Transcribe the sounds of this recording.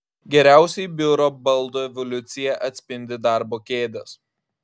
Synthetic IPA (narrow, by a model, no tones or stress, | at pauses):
ɡʲɛɾʲæˑʊsʲɛɪbʲʊɾoːbɐlˠˑd̪oːɛʋɔlʲʊt̪sʲɪjɛʔɐt̪ʲsʲpʲɪnʲd̪ʲɪd̪ɑˑɾboːkʲeːd̪ʲɛs